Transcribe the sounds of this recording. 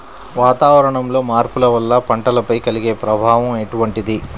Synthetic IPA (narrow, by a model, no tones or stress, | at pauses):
ʋaːt̪aːʋɐɾɐɳɐmlo̞ːmaːɾpulɐʋɐlːɐpɐɳʈɐlɐpɐjkɐliɡe̞ːpɾɐbʱaːʋɐme̞ʈuʋɐɳʈid̪i